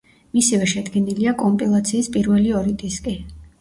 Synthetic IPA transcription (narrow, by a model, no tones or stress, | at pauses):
misivɛʃɛd̪ɡɛniliakʼɔmpʼilˠat̪sʰiːspʼiɾvɛliɔɾit̪ʼiskʼi